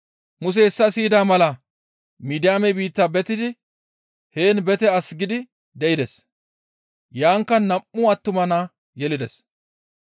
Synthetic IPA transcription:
mʊs̬ɛhɛsːɐsiːd̪aːmɐlɐ | miːd̪ɪjaːmɛbiːt̪ːɐbɛt̪ɪd̪ɪ | he̞ːnbɛt̪ɛɐsɡɪd̪ɪ | d̪ɛʔɪd̪ɛs | jaːŋkːɐnɐmːʊɐt̪ːʊmɐnaː | jɛlɪd̪ɛs

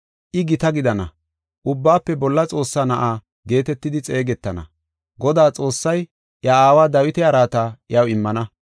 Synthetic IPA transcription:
ʔɪɡɪt̪ɐɡɪd̪ɐnɐ̰ | ʔʊbːaːpːɛbɔlːɐt͡sʼo̞ːsːaːnɐʔaː | ɡe̞ːt̪ɛt̪ːɪd̪ɪt͡sʼe̞ːɡɛt̪ːɐnɐ̰ | ɡɔd̪aːt͡sʼo̞ːsːɐj | ʔjɐaːwaːd̪ɐwɪt̪ɛɐɾaːt̪aːʔjɐwɪmːɐnɐ

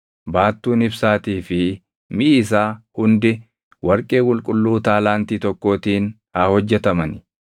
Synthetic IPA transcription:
baːt̪ːuːnɪbsaːt̪iːfɪ | mɪʔːs̬aːhʊnd̪ɪ | wɐɾkʼe̞ːkʼʊlkʼʊlːuːt̪aːlaːnt̪iːt̪ɔkːo̞ːt̪iːn | hɐhɔd͡ʒːɛt̪ɐmɐnɪ̥

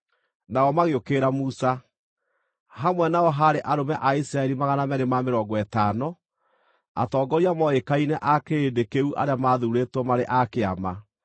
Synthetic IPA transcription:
naɔmaɣeokeːɾamusa | ɦamwɛnaɔɦaɾeʔaɾomɛʔaisɾaɛɾimaɣanamɛɣemameɾɔɡɔɛtanɔ | a̰tɔːɡɔɾiamɔekainɛʔakeedekeuʔa̰ɾeamaːðuɾetwɔmaɾeʔakea̰ma

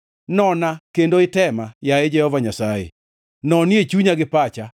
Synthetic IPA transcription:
nɔnakendoɪtɛmajaed͡ʒɛhɔvaɲasajḛ | nɔnjet͡ʃuɲaɡɪpat͡ʃa

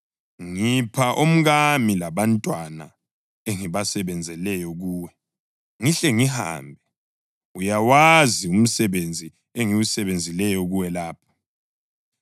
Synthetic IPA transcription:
ŋipʰaʔom̩ɣamilaβantʼwana̰ | eŋiβasɛβɛnd͡zʱɛlɛjɔɣuːwɛ | ŋiɬɛŋiha̰ːmbʱɛ | ujawazium̩sɛβend͡zʱi | eŋiwusɛβend͡zʱilɛjɔɣuwɛlaːpʰɔ̥

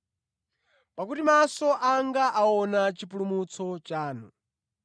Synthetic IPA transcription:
pakutimasɔʔaŋɡaʔaɔnat͡ʃipulumut͡sʰɔt͡ʃaːnu

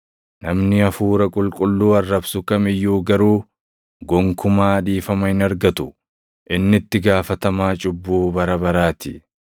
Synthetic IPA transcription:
nɐmnɪɐfuːɾɐkʼʊlkʼʊlːuːɐrːɐbsʊkɐmɪjːuːɡɐɾuː | ɡɔŋkʰʊmaːᶑ̪iːfɐmɐhɪnɐɾɡɐt̪ʊ | ʔɪnːɪt̪ːɪɡaːfɐt̪ɐmaːt͡ʃʼʊbːuːbɐɾɐbɐɾaːt̪ɪ

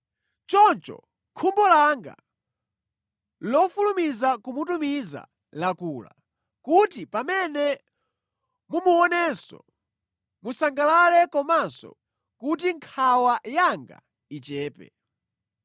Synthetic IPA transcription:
t͡ʃɔnt͡ʃɔ̰ | kʰumbɔlaŋɡa̰ | lɔfulumizakumutumiza̰ | lakuːla̰ | kutipamɛnɛ | mumuɔnɛnsɔ̰ | musaŋɡalalɛkɔmansɔ̰ | kut̬iŋkʰawajaŋɡa̰ | it͡ʃɛːpɛ̰

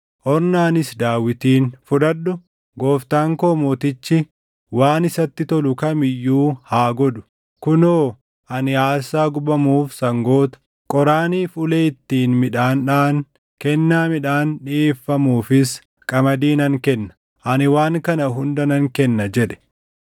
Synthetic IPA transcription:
ʔɔɾnaːnɪsd̪aːwɪt̪iːnfʊᶑ̪ɐɗːʊ | ɡo̞ːft̪aːŋko̞ːmoːt̪ɪt͡ʃːɪ | waːnɪsɐt̪ːɪt̪ɔlʊkɐmɪjːuːhaːɡɔd̪ʊ̥ | kʊnoː | ʔɐnɪaːsaːɡʊbɐmuːfsɐŋɡoːt̪ɐ̥ | kʼɔɾaːniːfʊleːɪt̪ːiːnmɪᶑaːnᶑaːn | kɛnːaːmɪᶑaːnᶑɪʔeːfːɐmuːfɪs | kʼɐmɐd̪iːnɐŋkɛnːɐ̥ | ʔɐnɪwaːŋkɐnɐɦʊnd̪ɐnɐŋkɛnːɐd͡ʒɛᶑɛ̥

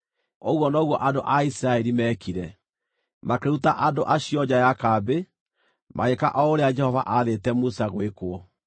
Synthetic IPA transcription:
oɣwɔnɔɣwɔʔandoʔaisiɾaɛɾimɛːkiɾɛ | makeɾutaʔadoʔaɕiɔd͡ʑajakabe | mʔa̰ɣekaʔɔoɾead͡ʒɛhɔvaʔaðetɛmusaɣwekwɔ

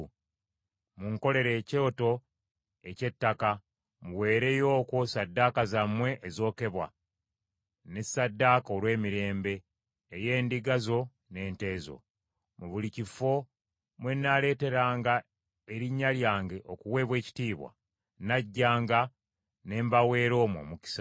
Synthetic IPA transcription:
muŋko̞le̞ɾe̞ːceoto̞ | e̞ce̞tːaka | muwe̞ːɾe̞jo̞ːko̞sadːakazamwe̞ʔezo̞ːke̞βwa̰ | nesadːaːkao̞lwe̞ːmiɾe̞ːmbe̞ː | je̞ːndiɡazo̞ | ne̞ːnte̞ːzo̞̰ | muβulicifo̞ | mwe̞nːale̞ːte̞ɾaːŋɡa | e̞ɾiɲːaljaːŋɡe̞ʔokuwe̞ːβwe̞ːci̥tiːβwa̰ | naɟːaːŋɡa | ne̞ːmbawe̞ːɾo̞ːmwo̞̰ːmuki̥sḁ

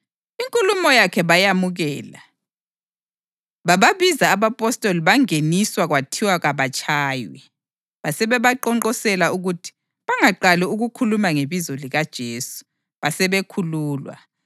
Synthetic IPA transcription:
iŋkʼulumɔjakʰɛβajamuɣɛːla̰ | βaβaβizaːβapʼɔstʼoliβaŋeniswaɣwatʰiwaɣaβat͡ʃʼaːjwḭ | βasɛβɛβaǃɔǃɔsɛlauɣutʰi̥ | βaŋaǃaliuɣukʰulumaŋeβizɔliɣad̥ʒ̥ʱeːsu̥ | βasɛβekʰuluːlwa̰

